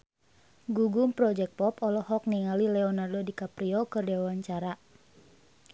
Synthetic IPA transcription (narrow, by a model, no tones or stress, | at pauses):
ɡuɡumpɾɔd͡ʒɛk̚pɔpɔlɔhɔk̚niŋalilɛɔnardodikapɾiɔkɨrdɛwawaɲt͡ʃaɾa